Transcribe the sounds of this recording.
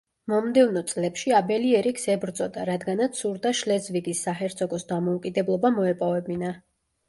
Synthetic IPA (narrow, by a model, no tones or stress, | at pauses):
mɔmd̪ɛvnɔt̪sʼlɛpʃiabɛliɛɾiksɛbɾt̪sʼɔd̪aɾad̪ɡanat̪sʰuɾd̪aʃlɛzviɡisːahɛɾt̪sʰʼɔɡɔsd̪amɔukʼid̪ɛblˠɔbamɔɛpʼɔvɛbina